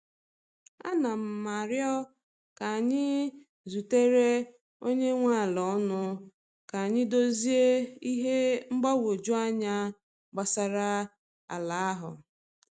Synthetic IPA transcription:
a̰˦na˨m̩˨ma˨ɾjɔ˦ | ka˨a˨ɲɪ˦ | zu˨te˦ɾe˦ | o˦ɲe˦ŋʷa˦˨lɔ˨˦nʊ˦ | ka˨a˨ɲɪ˦do˦zi˦e˦i˦ɦe˦ŋ͡m̩˦ɡ͡ba˦wo˨d͡ʒu˦a˦ɲa˦ | ɡ͡ba˨sa˨ɾa˦ | a̰˨la˨a˦ɦʊ˨

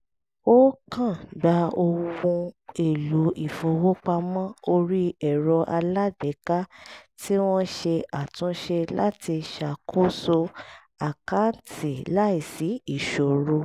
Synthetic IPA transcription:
o˦kã˦˨ɡ͡ba˨˧˦o˧wũ˧e˨lu˨˦i˨fo˧wo˦k͡pa˧mã˦o˧ɾi˦ɛ˦˨ɾɔ˧ʔa˧la˦de˨˦ka˦ti˦w̃ɔ̃˦ʃe˧a˨tũ˨˦ʃe˧la̰˦ti˧ʃa˨kʰo˦so˧ | a˨ka˦ti˨la˦i˦˨si˨˦i˦˨ʃo˨ɾo˧

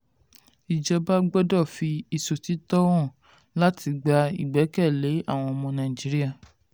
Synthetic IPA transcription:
i˨d͡ʒɛ˧ba˦ɡ͡bɛ˦dɔ˦˨fi˧i˧so˨ti˨˦tɔ˦w̃ɔ̃˦˨ | la˦tʰi˧ɡ͡ba˧ḭ˦˨ɡ͡bɛ˨˦kɛ˦˨le˨˦a̰˦˨w̃ɔ̃˧ɔ˧mɔ̃˧nã˨ĩ˨d͡ʒi˨˦ɾi˦a˦˨

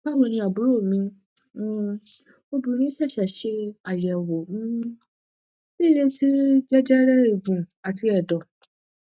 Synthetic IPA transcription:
pa˦wo˨nĩ˧˦a˨bu˨ɾo˦˨mĩ˧˦ | o˦bu˨nĩ˦ʃɛ˦˨ʃɛ˨ʃe˧a˨jɛ˨wo˨m̩̃˦ | le˦˨ɾe˧ti˦d͡ʒɛ˦d͡ʒɛ˦ɾɛ˦e˨ɡũ˨a˨ti˧ɛ˨dɔ˨

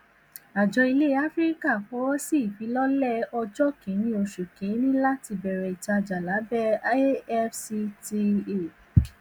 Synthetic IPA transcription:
a˨d͡ʒɔ˧i˧le˦a˦fɾi˦ka˦˨fɔ˨˦wɔ˦si˦i˨fi˨˦lɔ˦lɛ˦ɔ˧d͡ʒɔ˦kĩ˨˦ñĩ˦o˧ʃu˨kĩ˨˦nĩ˦la˦ti˧bɛ˨ɾɛ˨i˨ta˧d͡ʒa˨la˨˦bɛ˦ɛ˦fsi˧ti˧e˦˨

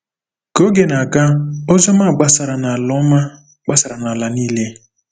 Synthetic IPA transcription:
ko˦ɡe˨na˨ɡa˦ʊ˦zɔ˦ma˦˨ɡ͡ba˦sa˨ɾa˨na˨a˨lɔ˦ma˦ | ɡ͡ba˦sa˨ɾa˨na˨la˨ni˦le˦

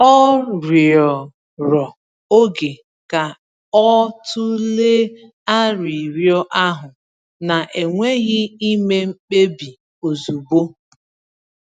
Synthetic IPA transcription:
ɔ˦ɾji˨ɔ˨ | ɾɔ˨ | o˦ɡe˨ | ka˨ | ɔ˦tʊ˦le˦ | a˦ɾi˨ɾjɔ˦ʔa˦ɦʊ˨ | na˨ʔe˨ŋʷe˦ɣɪ˦i˦me˦ŋ͡m̩˦k͡pe˦bi˨ | o˨zu˨bo˦

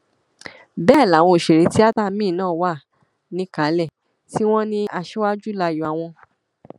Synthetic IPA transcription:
bɛː˦˨la˨˦˨w̃ɔ̃˧˨ʃe˨ɾe˨˦ti˦a˦ta˦˨mĩː˦˨nãː˦˨wa˦˨ | nĩ˦ka˨˦lɛ˦˨ | ti˦w̃ɔ̃˦nĩ˦ʔa˧ʃe˦wa˦d͡ʒu˦la˧jɔ˨a˧˨w̃ɔ̃˧

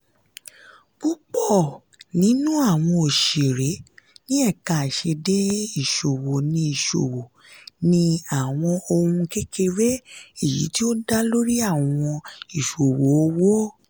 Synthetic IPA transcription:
bu˦k͡pɔ˦˨ | nĩ˨˦nũ˦a˦˨w̃ɔ̃˧o˨ʃe˨ɾe˨˦nĩ˦ɛ˦˨ka˨ʃe˧de˦i˦˨ʃo˨wo˨nĩ˧i˨ʃo̰˨wo˨ | nĩ˧a˨w̃ɔ̃˧o˧hũ˧ke˦kʰe˧ɾe˦i˦˨jḭ˨˦ti˦o˦da˦lo˦ɾi˦a˦˨w̃ɔ̃˧i˨ʃo˨wo˨˦˨o˧˦wo˦

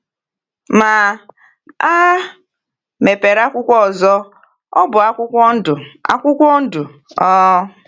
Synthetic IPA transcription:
ma˨ | a˦ | me˨pe˨ɾa˦kʷʊ˦kʷɔ˦˨zɔ˦ | ɔ˦bʊ˨a˦kʷʊ˦kʷɔ˦n̩˦dʊ˨a̰˦kʷʊ˦kʷɔ˦n̩˦dʊ˨ | ɔ˦

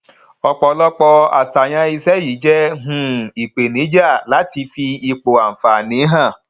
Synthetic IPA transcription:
ɔ˧k͡pɔ˧lɔ˦k͡pɔ˧a̰˨sa˨j̃ã˧i˧sɛ˦ji˨˦d͡ʒɛ˦ɦũ˧˦i˨k͡pe˨nĩ˨˦d͡ʒa˦˨la˨˦ti˧fi˧i˧k͡po˨a˨m̩˨fa˨nĩ˨˦ɦã˦˨

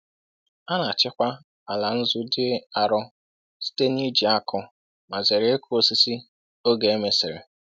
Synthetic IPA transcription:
a˦na˨t͡ʃɪ˦kʷa˦ | a˨la˨n̩˦zʊ˦dɪ˦e˦a˨ɾʊ˦ | si̥˦te˦ni˦d͡ʒi˨a˦kʊ˦ | ma˨ze˨ɾe˦ku˦o˦si˦si˦ | o˦ɡe˨e˦me˦sɪ̰˨ɾḛ˨

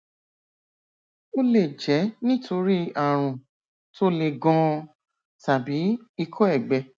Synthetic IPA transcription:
o˦le˦˨d͡ʒɛ˨˦nĩ˦tʰo˧ɾi˦a˦˨ɾ̃ũ˨ | to˦le˧ɡɔ̃˧ | ta˨bi˨˦i˧kʰɔ˦ɛ˦˨ɡ͡bɛ˧

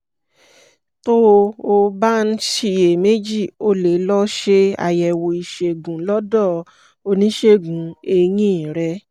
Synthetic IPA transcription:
to˦˧o˧ba˦n̩˦ʃi˦˧e˨me˦d͡ʒi˦˨o˧le˨˦lɔ˦ʃe˦a̰˧˨jɛ˨wo˧i˧˨ʃe˧ɡũ˨˦lɔ˦dɔ˦˨ | o˧nĩ˦ʃe˦ɡũ˨˦e˧jĩ˦˨ɾɛ˧

